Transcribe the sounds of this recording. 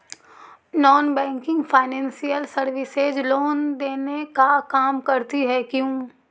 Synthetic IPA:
nɔːnbɛ̃ːŋkɪ̃ŋɡfʰaːɪnɛ̃ːnsijəlsəɾʋɪsed͡ʒloːnd̪eːnekakaːmkɐɾt̪iɦɛkjũː

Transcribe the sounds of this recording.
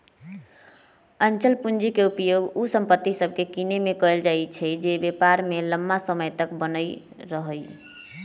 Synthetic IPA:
ənt͡ʃəlpund͡ʒikeupjoɡusəmpət̪ːisəbʱkekinemekəeld͡ʒaet͡ʃʰɛd͡ʒebepaɾmeləmːasəməjt̪əkbənəj | ɾəɦəj

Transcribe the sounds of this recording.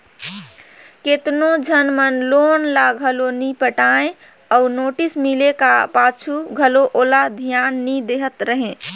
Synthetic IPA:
ket̪nod͡ʒʱənmənloːnlaɡʱəlonipəʈaːẽ | ɔːnoːʈismilekapat͡ʃʰuɡʱəloʔoːlad̪ʱjaːnːid̪eɦət̪ɾəɦẽ

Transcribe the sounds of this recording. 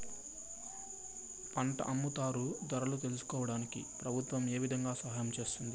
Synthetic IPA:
pɐɳʈɐ̰ʔɐmːut̪aːɾud̪ɐɾɐlut̪e̞lusu̥kɔːʋɐɽaːnikḭpɾɐbʱut̪ʋɐme̞ːʋid̪ʱɐŋɡaːsɐɦaːjɐmt͡ʃe̞ːst̪und̪i

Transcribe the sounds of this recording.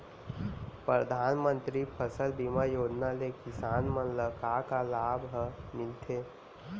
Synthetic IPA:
pɾəd̪ʱaːnmə̃nt̪ɾipʰəsəlbimajoːd͡ʒnalekɪsaːnmənləkakalaːbɦəmɪlt̪ʰe

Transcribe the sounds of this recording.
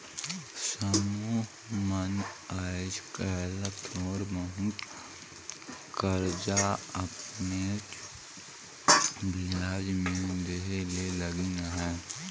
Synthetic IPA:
səmuːɦ | mənaːd͡ʒkɛːlət̪ʰɔːɾməɦut̪ | kəɾd͡ʒaɐpnet͡ʃ | bʱiaːd͡ʒmẽd̪eɦeleləɡinɦɛ

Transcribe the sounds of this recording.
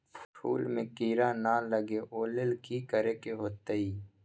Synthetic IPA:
ppʰṵːlmẽkiːɾãːnaːlɐɡeʔoːlelkikɐɾeːkeɦoːt̪əiː

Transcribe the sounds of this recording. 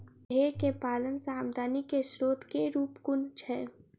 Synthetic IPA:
eːɾkepaːlənsaːmd̪ʱaːnikeʃɾoːt̪keɾuːpkʊnt͡ʃʰɛ

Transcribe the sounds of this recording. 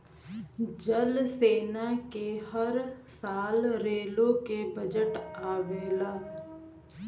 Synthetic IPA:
d͡ʒəlseːnakehɐɾsaːlɾeːlõkebəd͡ʒəʈaːʋeːlaː

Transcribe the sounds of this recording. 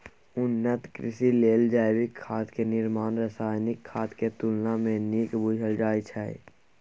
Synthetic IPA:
ʊnːət̪kɾɪsileːld͡ʒaːjwɪkʰːaːt̪kenɪɾmaːnɾəsaːjnɪkʰːaːt̪ket̪ʊlnamẽniːkbʊd͡ʒʱəld͡ʒaːjt͡ʃʰaːḭ

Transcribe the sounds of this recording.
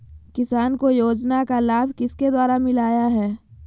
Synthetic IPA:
kɪsaːnkojoːd͡ʒnakalaːbʱkɪsked̪waːɾamɪlaːjaɦɛː

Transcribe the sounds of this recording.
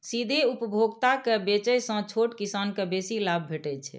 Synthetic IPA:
sid̪ʱeupəbʱoɡt̪akebet͡ʃɛjsə̃t͡ʃʰoʈkisankebesilabʱbʱeʈɛt͡ʃʰɛ̰

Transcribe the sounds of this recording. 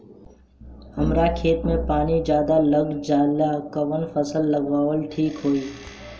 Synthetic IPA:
ɦɐmɾakʰeːt̪mẽpaːnid͡ʒjaːd̪aləɡd͡ʒaːlakɐʋənfəsəlːɐɡʋaːʋəlʈʰiːkɦoːiː

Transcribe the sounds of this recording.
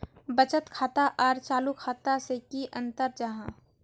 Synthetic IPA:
bət͡ʃət̪kʰaːt̪aʔɔːɾt͡ʃaːlukʰaːt̪asekiʔə̃nt̪əɾd͡ʒaɦã

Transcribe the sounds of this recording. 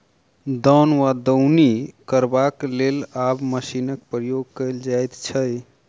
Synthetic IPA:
d̪ɔnʋad̪əwnikəɾbaklelabməsinək̚pɾəjoɡ̚kəjld͡ʒajt̪t͡ʃʰəj

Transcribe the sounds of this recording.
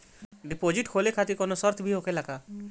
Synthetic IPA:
ɖipod͡ʒiʈkʰolekʰat̪ikɔnosɔɾt̪ʰbʱiɦokelaka

